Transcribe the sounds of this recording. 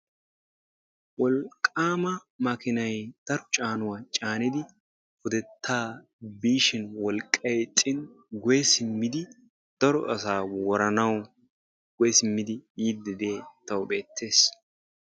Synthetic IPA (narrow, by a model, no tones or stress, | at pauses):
wɔlkʼːaːmɐmɐkɪnɐjt̪ɐɾt͡ʃʼaːnʊwat͡ʃʼaːnɪd̪ɪ | fʊd̪ɛt̪ːaː | biːʃɪnwɔlkʼːɐjtʼɪn | ɡʊjɛsɪmːɪd̪ɪ | d̪̥ɐɾɔʔɐsaːwɔɾɐnɐw | ɡ̥ʊjɛsɪmːɪd̪ɪiːd̪ɪd̪eːt̪ɐwbe̞ːt̪ʰːe̞ːs